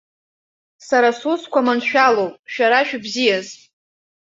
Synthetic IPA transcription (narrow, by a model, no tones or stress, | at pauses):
saɾasuskʷʰamanʃᶣalowpʼʃᶣaɾaʃᶣbzijaz